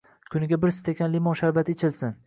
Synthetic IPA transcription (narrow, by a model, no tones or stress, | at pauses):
kʲʰʊnɪɡʲabɪɾsɪ̥t̪ʰekʲʰanlimɒnʃaɾbat̪ʰɪt͡ʃʰɪlsɪn